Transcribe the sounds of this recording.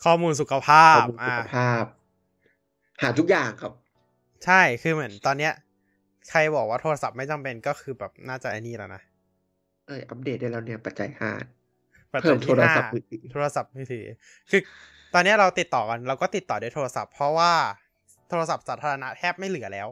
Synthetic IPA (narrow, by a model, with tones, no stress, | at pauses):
kʰɔː˥˩muː˧ns̬u˨˩kʰa˧pʰaː˥˩˧ʔaː˧˩pʰaː˥˩p̚ | haː˩˦t̪ʰu˦˥k̚jaː˨˩ŋkʰa˦˥p̚ | t͡ɕʰa˥˩jkʰɯː˧mɯ˩˦nt̪ɔː˧nːi˦˥ɐ | kʰa˧jbɔː˨˩k̚waː˥˩t̪ʰoː˧a˧sa˨˩p̚ma˥˩jt͡ɕa˧mpe˧nkɔː˥˩kʰɯː˧bɛː˨˩p̚naː˥˩t͡ɕa˨˩ʔa˧niː˧˩la̰˨˩na˦˥ | ʔɤː˧˩ʔa˦˥p̚deː˨˩t̪̚ːa˥˩lɛː˧˩wni˦˥˩ɐpa˨˩t̪̚t͡ɕa̰˧jhʰa̰ː˥˩t̪̚ | pa˨˩tʰɤː˧mt̪ʰoː˧ɾa˧aː˥a˨i˧t̪i˨˩˦t̪ʰoː˧ɾa˧sa˨˩p̚mɯː˧˥˩t̪ʰiː˨˩˦ | kʰɯː˧ | t̪ɔː˧nːi˦˥ɐ˩ɾa˧wt̪i˨˩t̪ːɔː˨˩ka˧nɾɛː˧˥wkɔː˥˩t̪i˨˩t̪ːɔː˨˩du˥˩jt̪ʰoː˧ɾa˧sa̰˨˩pʰːɾɔ˦˥waː˥˩ | t̪ʰoː˧ɾa˧sa˨˩p̚saː˩˦t̪ʰaː˧ɾa˧na˦˥t̪ʰɛː˥˩p̚ma˥˩jlɯ˨˩˦ɐlɛː˦˥w